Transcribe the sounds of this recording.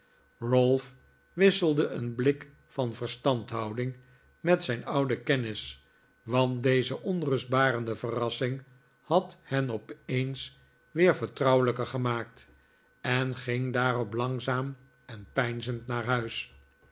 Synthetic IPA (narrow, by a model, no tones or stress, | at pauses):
rɔlˠf | ʋɪsəlˠdəʔənblɪk | fɑnvəɹstɑntɦɑwdɪŋ | mɛtsɛjnʌwdəkɛnɪs | ʋɑnt̚dejzəʔɔnrɵsd̚baːɾəndəvərɑsɪŋ | hɑthɛnɔpejns | ʋɪːɹvəɹtrɑwələkəɹχəmaːk̚t | ɛnχɪŋdaːrɔplɑŋzaːm | ɛnpɛjnzəntnaːɹɦœɥs